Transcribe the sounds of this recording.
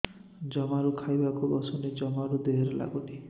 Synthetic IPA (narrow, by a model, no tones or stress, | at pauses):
d͡ʒɔmaɾukʰajbakubɔsɔned͡ʒɔmaɾud̪eɦɾela̰ɡuʈi